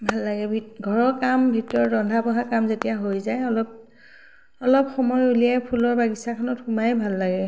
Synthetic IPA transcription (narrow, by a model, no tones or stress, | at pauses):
bʱalːaɡɛbʱiɡʱɔɹɔkambʱitɔɹɹɔndʱapɔɦakamzetijaɦojzajɔlɔp̚ | ɔlɔpxɔmɔjulijajpʰulɔɹbaɡisakʰɔnɔtxumajbʱalːaɡɛ